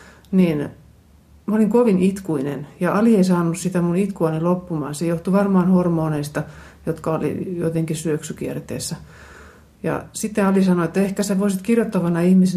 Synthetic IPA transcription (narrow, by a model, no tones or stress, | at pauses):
nin | mæoliŋkoʋinit̪kuinḛnjɑʔɑlieisɑːnussit̪æmunit̪kuɑnilopːumɑ̰ːnsejoht̪uʋɑrmɑːnhormoːneist̪ɑ | jot̪kɑolḭjo̰t̪eŋkisyøksykiert̪ḛːsːæ | jɑ̰sit̪ːeɑlisɑnoet̪ːæehkæsæʋoisit̪kirjot̪ːɑʋɑnɑihmise